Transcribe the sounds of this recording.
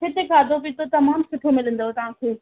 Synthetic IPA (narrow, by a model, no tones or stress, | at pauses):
kɪt̪ekʰaːd̪ʱopit̪ot̪ɐmaːmsɪʈʰemɪlə̃n̆d̪oɦet̪ɐʋ̤ãːkʰeː